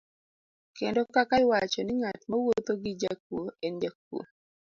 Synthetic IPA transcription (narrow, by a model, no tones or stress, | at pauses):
kendokakaɪwat͡ʃɔnɪŋatmawot̪oɡɪd͡ʒak̚ːuend͡ʒak̚ːṵ